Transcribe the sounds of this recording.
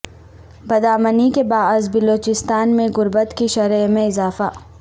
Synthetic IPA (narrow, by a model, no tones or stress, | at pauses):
bɐd̪aːmənikebaːəzbɪloːt͡ʃɪst̪aːnmẽɣʊɾbət̪kiʃɐɾəmẽɪzaːfa